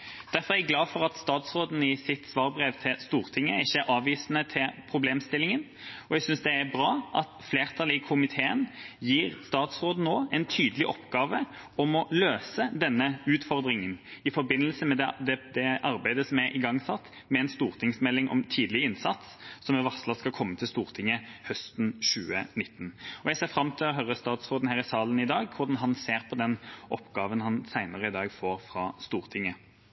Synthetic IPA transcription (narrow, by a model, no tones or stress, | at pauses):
d̪̥æɾfɔʁæɡlɑːfɔʁɑt̪st̪ɑːt̪sʁoːd̪n̩ɪsɪt̪sʋɑːʁbʁeːʋt̪ʰɪlst̪uːʁt̪ʰɪŋːəɪçːəæɾɑːʋiːsnət̪ʰɪlpʰɾʊbleːmst̪ɪlːɪŋən | ɔɛɡsʏnsd̪ɛæɾbʁɑːʔɑt̪fleːʁt̪ʰɑlɪkʰʊmɪt̪ʰeːənjiːʁst̪ɑːt̪sʁoːd̪n̩ːoːɛnt̪ʰyːd̪əlɪʔɔpɡɑːʋə | ɔmɔløːsəd̪ɛnːəʉːt̪fɔʁd̪ɾɪŋənɪfɔɾbɪnːəlsəmɛd̪ɛd̪ɛd̪ɛɑʁbæɪd̪əsɔmæʔɪɡɑŋːsɑt̪ː | mɛɛnst̪uːʁt̪ʰɪŋsmɛlːɪŋʔɔ̰mt̪ʰiːd̪lɪɪnsɑt̪sːɔmɛʋɑslɑskɑlkʰɔmːət̪ʰɪlst̪uːʁt̪ʰɪŋːəhœst̪n̩ɕʉːə̰nɪt̪ːn̩ɔjæɪseːʁfɾɑmt̪ʰɪlɔɦœɾəst̪ɑːt̪sʁoːd̪n̩hæːʁɪsɑːlənɪd̪ɑːɡkʰʊɾd̪ɑnɦɑnseːʁpʰɔd̪ɛnʔɔpːɡɑːʋənhɑnsæɪnəʁəɪd̪ɑːɡfoːɾfɾɑst̪uːʁt̪ʰɪŋːə